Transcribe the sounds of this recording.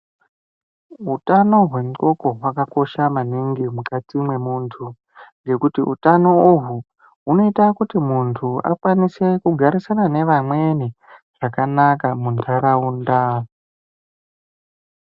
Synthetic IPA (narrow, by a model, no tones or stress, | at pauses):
ɦutano̞ɦwe̞mo̞ko̞ɦwakako̞ʃamaniŋɡimukat͡simwe̞muːntʰu | ŋɡe̞kutiṵtano̞uɦu | uno̞itakutimuntʰua̰kwanise̞kuɡʱaɾisanane̞ʋamwe̞ni | ʐ̥akanakamuntʰaɾaunda